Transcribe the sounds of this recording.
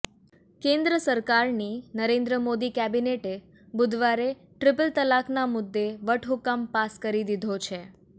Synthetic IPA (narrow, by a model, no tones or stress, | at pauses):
kẽnd̪ɾəsəɾkaɾninəɾẽnd̪ɾəmod̪ikɛbineʈe | bʊd̪ʱʋaɾe | ʈɾɪpəlt̪əlaknamʊd̪ːeʋəʈʰɦukampaskəɾid̪id̪ʱot͡ʃʰe